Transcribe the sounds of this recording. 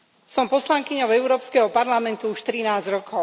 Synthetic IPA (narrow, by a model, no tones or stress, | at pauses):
sɔmpɔslaŋkiɲɔʊɛʊɾɔːpskɛɦɔpaɾlamɛnt̪uuʃt̪ɾinaːzd͡ʑɾɔkʰɔʊ